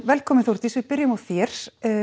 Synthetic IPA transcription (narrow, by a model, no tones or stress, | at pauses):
vɛlkʰɔːmɪnθowɾ̥t̪isvɪðpɪɾjɪmawθjɛɾ̥